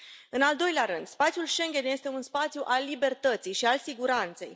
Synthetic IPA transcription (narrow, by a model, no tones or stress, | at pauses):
ɨnald̪o̞jleaɾɨnd̪spat̪sjulʃe̞ŋɡʲe̞nje̞st̪e̞unspat̪sjuʔalːibe̞rt̪ət̪sijʃialsiɡuɾant̪se̞̰j